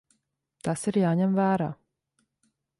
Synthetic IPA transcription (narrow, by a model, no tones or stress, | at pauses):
t̪asiɾjaːɲʲɛmvæːɾaː